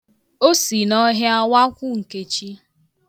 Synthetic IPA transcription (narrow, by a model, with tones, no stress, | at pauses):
o˦si˨nɔ˦ɦɪ˦a˦wa˦kʷʊ˦ŋ̩˨ke˨t͡ʃi˦